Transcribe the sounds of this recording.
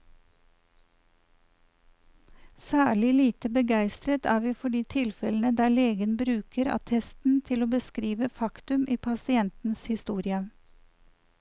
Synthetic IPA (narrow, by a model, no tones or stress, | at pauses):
sæːɭɪliːt̪əbəɡæɪst̪ɾət̪ʰæːʋiːfɔɖiːt̪ʰɪlfɛln̩əd̪æːɭeːɡənbɾʉːkəɾɑ̰t̪ʰɛst̪n̩t̪ʰɪloːbəskɾiːʋəfɑkt̪ʉmʔiːpʰɑsɪɛnt̪n̩shɪst̪uːɾɪə